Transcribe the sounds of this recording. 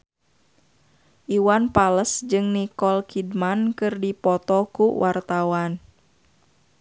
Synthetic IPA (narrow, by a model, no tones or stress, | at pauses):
ʔiwanpaləsd͡ʒɨŋnikɔlkʰidmankɨrdipɔt̪ɔkuwʔart̪awan